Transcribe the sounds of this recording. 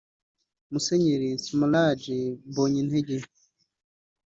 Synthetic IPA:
museɲeɾismolad͡ʒiboɲinheɟe

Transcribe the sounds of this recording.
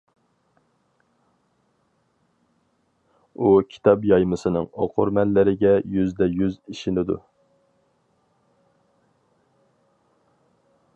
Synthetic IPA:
ukʲʰi̥t̪ʰɑbjɑjmɨsɨnɨ̰ŋoqʰʊɾmɛlːɪɾɪɡʲɛjyzd̪ɛjyziʃinɪd̪ṵ

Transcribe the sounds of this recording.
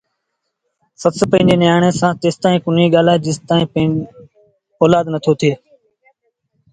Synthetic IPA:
sət̪spə̃ɦɪ̃d͡ʒeːnjaːɳ̃eːsãːt̪eːst̪aːĩːkʊniːɠaːlaːd͡ʒɪst̪aːĩːp | oːlaːd̪nət̪ʰoːt̪ʰeː

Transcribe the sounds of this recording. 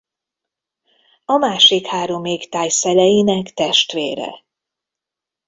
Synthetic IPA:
ɒmaːʃikhaːɾo̞meːkt̪aːjsɛlɛjinɛkt̪ɛʃt̪ʋeːɾɛ̰

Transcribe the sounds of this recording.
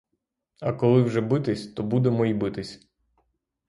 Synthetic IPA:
ɐkɔlˠɪwʒɛbɪt̪ɪsʲt̪ɔbud̪emɔibɪt̪ɪsʲ

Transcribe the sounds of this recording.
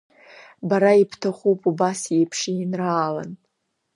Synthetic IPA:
baɾaipʰtʰaχʷupʰʼubasejpʰʂiinraːla̰n

